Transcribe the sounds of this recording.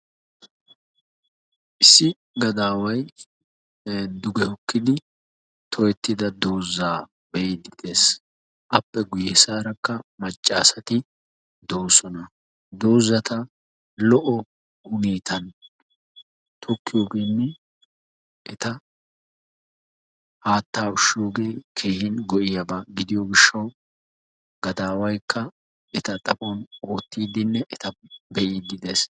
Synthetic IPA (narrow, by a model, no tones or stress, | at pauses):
ʔɪsːɪ | ɡɐd̪aːwɐj | d̪ʊɡɛhɔkːɪd̪ɪ | t̪ʰɔjɛt̪ːɪd̪ɐd̪oːzːaː | bɛjd̪ɪd̪e̞ːs | ʔɐpːɛɡʊjɛsaːɾɐkːɐmɐt͡ʃʼːaːsɐt̪ɪ | d̪o̞ːsɔnɐ | d̪o̞ːzːɐt̪ɐ | lɔʔɔ | ʊniːt̪ɐn | t̪ʰɔkːɪjoːɡe̞ːnːɛ | ʔɛt̪ɐ | haːt̪ːaːʊʃːɪjo̞ːɡe̞ːkʰeːhɪnɡɔʔɪjɐbaɡɪd̪ɪjoɡɪʃːɐw | ɡ̥ɐd̪aːwɐjkʰːɐ | ɛt̪ɐt̪ʼɐfʼɔnoːt̪ːiːd̪ɪnːɛʔɛt̪ɐbɛʔɪd̪ɪd̪es